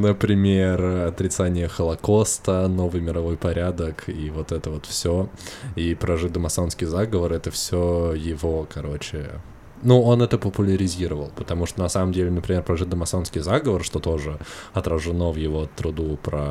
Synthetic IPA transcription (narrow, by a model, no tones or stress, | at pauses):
nəpɾʲɪmʲerɐt̪ɾʲɪt̪sanʲɪjəxəlˠɐko̞st̪əno̞vɨjmʲɪɾɐvo̞jpɐɾʲad̪əkivo̞t̪ɛt̪əvo̞t̪fsʲoipɾɐʐɨd̪əmɐsonskʲɪjzaɡəvəɾɛt̪əfsʲojɪvo̞kɐɾo̞t͡ɕɪ | nuo̞nɛt̪əpəpʊlʲɪɾʲɪzʲiɾəvəlˠpə̥t̪ɐmuʂt̪onɐsaməmdʲelʲɪnəpɾʲɪmʲerpɾɐʐɨd̪əmɐsonskʲɪjzaɡəvərʂt̪o̞t̪o̞ʐɨɐt̪ɾəʐɨno̞vjɪvo̞t̪ɾʊd̪upɾə